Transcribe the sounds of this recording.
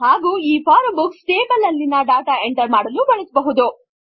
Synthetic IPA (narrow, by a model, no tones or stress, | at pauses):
haːɡuːiːpʰaːɾɐbuksʈeːbɐlɐlːinɐɖaːʈaeɳʈɐɾmaːɽɐlubɐɭɐsbɐɦud̪u